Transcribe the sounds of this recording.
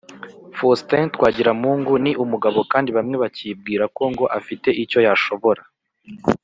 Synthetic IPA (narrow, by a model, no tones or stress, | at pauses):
fostentkwaːɟiɾamuːŋɡuniʔumuɡaβo̞kaːndiβamŋe̞βacib̚ɡiːɾako̞ŋɡo̞ʔafite̞ʔico̞jaʃo̞βo̞ɾa